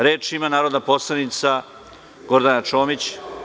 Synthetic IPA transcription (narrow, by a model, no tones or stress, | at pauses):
ɾeːt͡ʂimanaːɾod̪apo̞slˠanit̪sa | ɡ̥o̞ɾd̪anat͡ʃo̞ːmit͡ɕ